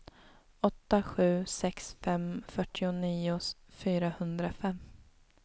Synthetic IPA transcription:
ɔt̪ːaɧʉ̟ːsɛksfɛmfœʈʰːɪʊniːʊfyːɾahɵnd̪ɾafɛmː

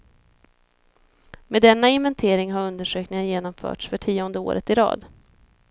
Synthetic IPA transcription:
meːd̪ɛnːaɪnvɛnt̪ʰeːɾɪŋɦaɾɵnd̪əʂøːknɪŋənjeːnɔmfœ̰ːʈʂfœʈʰiːɔnd̪əo̰ːɾə̰t̪ɪɾɑ̰ːd̪

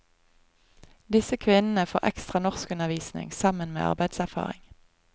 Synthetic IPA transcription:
d̪ɪsəkʰʋɪnn̩əfoːʁʔɛ̰kst̪ʁɑnɔʁskʉnəʋiːsnɪ̰ŋsɑmənmḛːʔɑ̰ʁbæɪd̪sæʁfɑ̰ːʁɪ̰ŋ

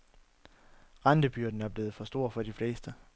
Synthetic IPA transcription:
ʁɑnd̥əb̥yɐ̰d̥n̩æɐb̥le̝ːð̞̩ˠfɒ̽sd̥o̝ɐ̰fɒ̽ɾ̥ifle̝̰ːsd̥ə

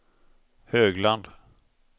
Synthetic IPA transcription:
høːɡland̪

